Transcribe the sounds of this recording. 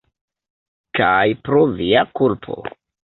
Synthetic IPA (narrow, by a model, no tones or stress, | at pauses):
kajpɾoviakulpʰo̰